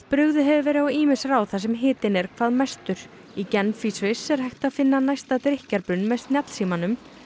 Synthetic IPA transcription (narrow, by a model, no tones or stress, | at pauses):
pɾʏɣðʏɦɛvɪvɛːɾɪɔiːmɪsraːwθas̬ɛmɦɪːt̪ɪnɛɾ̥kʰvaːðmast̪ʏɾ̥ | icɛnfisvɪsɛɾ̥hajxt̪aðfɪnːanajst̪at̪ɾɪhcaɾpɾʏnːmɛðst̪njat̪l̥siːmanʏm